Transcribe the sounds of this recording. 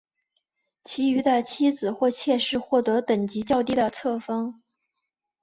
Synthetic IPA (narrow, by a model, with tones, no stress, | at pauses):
t͡ɕʰi˧˥y˧˥d̪ə˧t͡ɕʰi˥d͡zɹ̩˨˩xwɔ˥˧t͡ɕʰjɛ˥˧ʂɻ̩˥˧xwɔ˥˩t̪ɤ˧˥t̪ə˨˩ŋt͡ɕi˧˥t͡ɕjɑ˥˧ʊt̪i˥˩d̪ə˩t͡sʰɤ˥˩fɤ˥ŋ